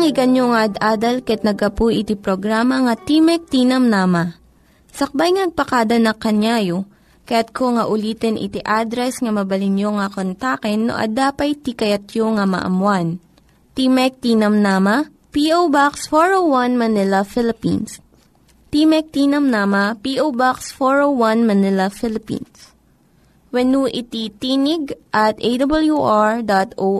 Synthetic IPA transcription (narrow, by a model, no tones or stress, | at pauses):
ŋɪɡɐnjoŋaʔɐd̪ʔaːd̪ɐlkɐjɐt̪̚nɐɡɐpujʔɪt̪ipɾoɡɾamɐŋɐt̪imɛk̚t̪inɐmnaːmɐ | sɐk̚bajŋnɐɡ̚pɐkaːd̪ɐnɐkɐnaːjo | kɐjat̪̚kʰoŋɐʔʊliːt̪ɛnʔɪ̰t̪iʔad̪ɾɛsŋɐmɐbɐlɪnjoŋɐkont̪akɛnːo̰ʔɐ̰d̪aːpɐjt̪ikɐjɐt̪joŋɐmɐ̰ʔɐ̰mwan | t̪imɛk̚t̪iːnɐmnaːmɐ | piʔobaksfoɹowwɐnmɐnɪlɐfɪlɪpḭns | pimɛk̚t̪iːnɐmnaːmɐpiʔowbaksfoɹowwɐnmɐnɪlɐfɪlɪpḭns | wɛnuʔɪt̪it̪iːnɪɡʔɐt̪ʔejd̪ɐbɐljuʔaɹd̪at̪o